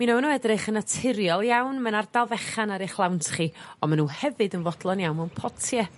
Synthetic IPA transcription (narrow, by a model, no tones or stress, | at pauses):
minavənuɛdrɨχənatʰɪɾjɔlˠjawnmanardalˠvɛχanaɾɪχlˠawntʰχiɔmanuːhɛvɨdənvɔdlˠɔnjawnmawnpʰɔtʰjɛ